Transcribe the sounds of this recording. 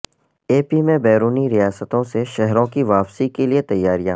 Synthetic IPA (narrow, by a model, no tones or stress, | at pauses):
eːpimẽbɛːɾuːniɾijaːsət̪õseʃɛɦɾõkiʋaːpsikeliet̪ɐjːaːɾijã̰